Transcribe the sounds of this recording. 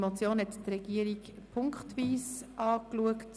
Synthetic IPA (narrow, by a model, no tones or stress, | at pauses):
mot͡sjoːnɦɛt̪trɛɡ̥iəɾiɡ | pʰʊŋkχtʋiːsʔɑːkluəkt